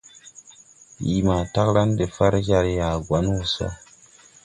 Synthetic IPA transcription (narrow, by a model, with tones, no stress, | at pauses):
ji˨ma˨ta˦kɾa˦nde˨fa˦ɾd͡ʒa˦ɾja˨ɡwa˨˦n˦wu˨sa̰˦